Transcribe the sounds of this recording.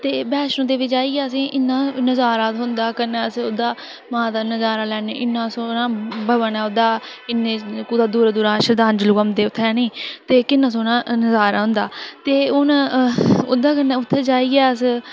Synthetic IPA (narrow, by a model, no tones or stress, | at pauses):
t̪eːbɛːʃnõːd̪eːʋɪd͡ʒaːiːɡɛːəs̬ĩːʔɪnːãːnəzaːɾaːt̪ɦʊnd̪aːkənːɛːəsʊd̪aː | mãːt̪aːnəzaːɾaːlɛːneːʔɪnːãːsoːnãːbʱəʋənɛːʊd̪aːɪnːẽːkuːd̪aːd̪uːɾd̪ʊːɾãːʃəɾd̪aːnd͡ʒlʊkəmd̪eːʊt̪ʰːɛːniːt̪eːkɪnːãːs̬oːnãːnəzaːɾaːɦʊ̃nd̪aːt̪eːʊn | ʊd̪aːkənːɛːʊt̪ʰːeːd͡ʒaːiːɛːəs